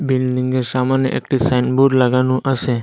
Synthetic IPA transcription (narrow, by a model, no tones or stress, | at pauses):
bilɖiŋɡesamanjə̰ʔḛkʈisajnbuɖləɡanũʔəʃe